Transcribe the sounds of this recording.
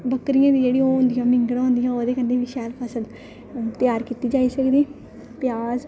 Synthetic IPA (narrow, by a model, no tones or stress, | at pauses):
bəkɾijãːd̪iːd͡ʒeːɽiːʊ̃nd̪ijãːmɪ̃ŋɡəɽãːɦʊ̃ːnd̪ijãːoːd̪eːkənd̪eːʋiːʃɛːlpʰəsə̃nd̪ | t̪ɪjaːɾkiːt̪iːd͡ʒaːiːsəkd̪iː | pjaːz